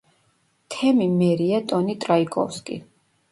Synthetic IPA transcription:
t̪ʰɛmimɛɾiat̪ʼɔnit̪ʼɾaikʼɔ̰fskʼḭ

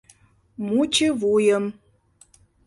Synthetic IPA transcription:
mut͡ɕevujəm

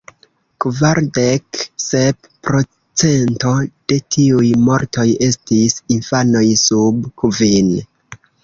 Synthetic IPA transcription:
kvaɾde̞ksep | pɾo̞ | t͡se̞nto̞d̥e̞tʰiujmo̞ɾto̞je̞stisinfano̞jsubkuvin

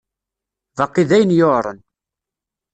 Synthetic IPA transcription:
vɑqːiðæjənjoɾˤə̰n

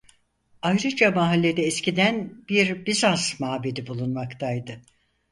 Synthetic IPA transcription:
ajɾɯd͡ʒamaɦalʲːe̞d̪ɛːscid̪ænb̥iɾbizansmaːbed̪ibulˠunmakt̪ʰajd̪ɯ

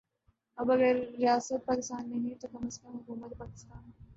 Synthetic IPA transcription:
ɐbɐɡəɾːɪjaːsət̪̚paːkɪst̪aːnːɐɦĩt̪ok̪ɐməskɐ̃mɦʊkuːmət̪paːkɪ̥st̪aːn

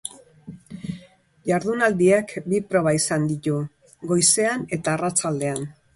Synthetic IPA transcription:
jaɾðunald̪iekbipɾo̞βaisand̪it̪u | ɡo̞jse̞ane̞t̪aːrat͡sald̪e̞an

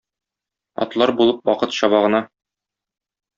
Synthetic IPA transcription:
ɒ̰t̪lˠɑɾbulˠɤp̚wɒqɤt̪ɕɒβɑʁɤ̆nɑ

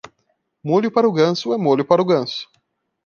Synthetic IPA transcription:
molʲʊpaɾʊɡɐ̃sʊɛmolʲjʊpaɾʊɡɐ̃sʊ̥

